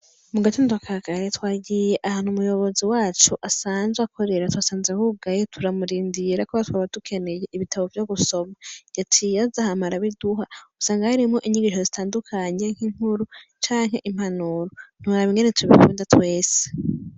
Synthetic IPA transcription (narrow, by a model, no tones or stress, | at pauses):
muɡatindwakʰaɡaɾetwaːɟije̞ʔahaːn̥humujo̞βo̞ziwaːt͡ʃuʔasaːnzweakʰo̞ɾe̞ɾatwasaːnzehub̚ɡajetʰuɾamuɾiːndiɾakoβatwaβatukʰe̞ne̞je̞ʔiβitʰaβo̞vjo̞ɡuso̞majatʰijazahamaɾaβiduɦausaːŋɡahaɾimŋo̞ʔiɲiɡiʃo̞zitʰaːndukʰaɲe̞ŋ̥hiŋ̥huɾut͡ʃaːŋɦe̞̰ʔim̥anuɾon̥uɾaβiŋɡenetuiβikṵːndatwe̞ːse̥